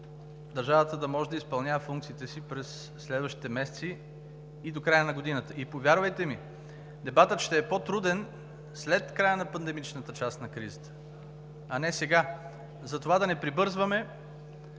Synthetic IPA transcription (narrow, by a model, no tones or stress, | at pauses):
d̪ɐɾʒavət̪əd̪ɐmɔʒɛd̪ɐispɐlˠnʲavəfuŋk̚t̪siːt̪ɛsipɾɛsː | lɛd̪vəʃt̪i̥t̪ɛmɛsɛ̥t̪siː | d̪okɾajənɐɡod̪inət̪əipovʲjaɾvɐjt̪ɛmi | d̪ɛbat̪ət̪ʃt̪ɛːpot̪ɾud̪ɛn | slɛt̪kɾajənɐpɐnd̪ɛmit͡ʃnət̪ət͡ʃast̪nɐkɾizət̪ə̥ | ɐnɛsɛɡa | zɐt̪ovad̪ɐnɛpɾibɤɾzvəmɛ